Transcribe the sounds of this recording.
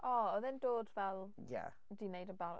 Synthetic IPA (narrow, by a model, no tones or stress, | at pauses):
ʔɔɔðɛndoːdvɛlˠ | ja̰ | d̥inejdənbaɾ̰